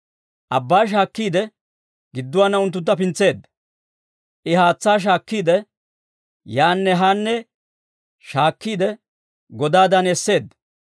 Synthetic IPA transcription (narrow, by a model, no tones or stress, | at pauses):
ʔɐbːaːʃ̬aːkːiːd̪ɛ | ɡɪd̪ːʊwaːnːɐʊnt̪ːʊnt̪ːɐpɪnt͡sːe̞ːd̪ːɐ | ʔɪɦaːt͡sːaːʃ̬aːkːiːd̪ɛ | jaːnːɛɦanːɛ | ʃaːkːiːd̪ɛ | ɡɔd̪aːd̪ɐnɛsːe̞ːd̪ːɐ